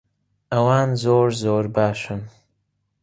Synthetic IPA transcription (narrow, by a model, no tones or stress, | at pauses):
ʔɐwaːnzoːɾzoːɾbaːʃɨn